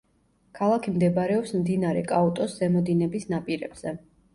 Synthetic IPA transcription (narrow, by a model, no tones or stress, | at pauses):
kʰalˠakʰimd̪ɛbaɾɛɔpsmd̪inaɾɛkʼaɔt̪ʼɔszɛmɔd̪inɛbisnapʼiɾɛb̥z̥ɛ